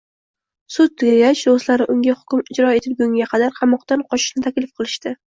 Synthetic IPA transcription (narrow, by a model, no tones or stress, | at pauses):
sʊt̪̚ːʰɪɡʲaɡʲaʃd̪oslaɾɪʔʊŋɡʲahʊ̥kʲʊmɪd͡ʒɾɒe̞t̪ʰɪlɡʲʊŋɡʲaqʰɑd̪aɾqʰɑmɒqt̪anqʰɒʃɪ̥ʃnɪt̪ʰakʲlɪfqʰɨlˠɪʃt̪ɪ